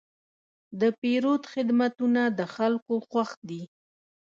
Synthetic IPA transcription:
d̪əpeɾod̪xɪd̪mat̪unad̪əxalkoxwaxd̪i

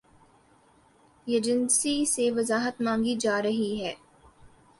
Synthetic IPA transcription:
ɛd͡ʒənsiseʋɐzaːɦət̪mãːŋɡid͡ʒaːɾɐɦiɦɛː

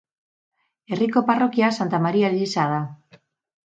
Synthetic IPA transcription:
e̞riko̞paro̞kiasant̪amaɾialiisaða

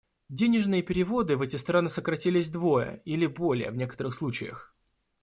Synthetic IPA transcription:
dʲenʲɪʐnɨjəpʲɪɾʲɪvo̞d̪ɨvɛtʲɪst̪ɾanɨsəkɾɐtʲilʲɪzʲd̪vo̞jə̰ilʲɪbo̞lʲɪjə̰vnʲekət̪əɾɨxslˠut͡ɕɪjə̰x

